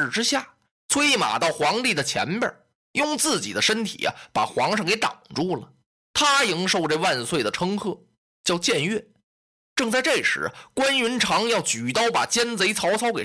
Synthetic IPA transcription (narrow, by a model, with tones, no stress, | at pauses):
ɻ̩˥˧ʈ͡ʂɻ̩˥ɕja˥˩ | t͡sʰwe˥i˥˩ma̰˨˩t̪ɑ˥˩ʊxwɑ˧˥ŋt̪i˥˩d̪ə˩t͡ɕʰjɛ̰˧˥npjə̰˞˨˩˦ | jʊ˥˧ŋt͡sɹ̩˥˩t͡ɕḭ˨˩d̪ə˦ʂə˥nt̪ʰḭ˨˩ɐ̰˧pa̰˨˩xwɑ˧˥ŋʂɤ˥˩ŋke˧˥ɪt̪ɑ̰˨˩ŋʈ͡ʂu˥˩lə˩ | t̪ʰa˥ji˥ŋʂo˥˧ʊʈ͡ʂɤ˥˧wa˥˧nswe˥˩ɪd̪ə˩ʈ͡ʂʰɤ˥ŋkʰɤ˥˩ | t͡ɕjɑ˥˧ʊt͡ɕjɛ˥˧nɥɛ˥˩ | ʈ͡ʂɤ˥˧ŋt͡sa˥˧ɪʈ͡ʂe˥˩ʂɻ̩̰˧˥kwa˥nɥy˧˥nʈ͡ʂʰɑ˧˥ŋjɑ˥˩ʊt͡ɕy˨˩t̪ɑ˥˩ʊpa̰˨˩t͡ɕjɛ˥nt͡se˧˥ɪt͡sʰɑ˧˥ʊt͡sʰɑ˥ʊke˨˩˦